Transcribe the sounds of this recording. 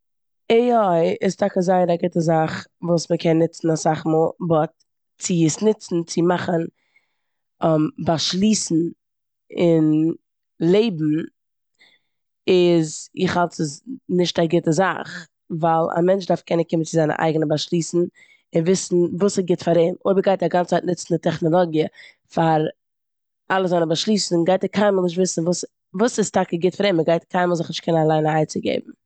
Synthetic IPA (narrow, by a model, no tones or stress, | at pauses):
eɔɪɪstʰakəzaɪəɾaɡɪtəzaχvuːsməkʰɛnːɪt͡sn̩asaχmɔːlˠbɔt | t͡sɪɪsnɪt͡sn̩t͡sɪmaχən | ɔmbaʃlˠiːsn̩ | ɪn | lˠeɪbm̩ | ɪzɪχhalˠtəsnɪʃtaɡɪtəza̰χ | valˠa̰mɛnt͡ʃdaɾfkʰɛnənkɪmənt͡sɪzaɪnə̰ʔa̰ɪɡənəbaʃlˠiːsn̩ | ɪnvɪsn̩vuːsɪɡɪtfaɾeɪmoɪbəɾɡaɪtaɡant͡st͡saɪtnɪt͡sn̩dɪtʰɛχnɔlˠɔɡjə | faɾ | ʔalˠəzaɪnəbaʃlˠiːsn̩ɡaɪtəkʰaɪməlˠnɪʃ̬tvɪsn̩vuːs | vuːsɪstakəɡɪtfaɾeːməɡaɪtkʰaɪməlˠzɪχnɪʃt̚kʰɛnənalˠaɪnaaɪt͡sɪɡḛɪbm̩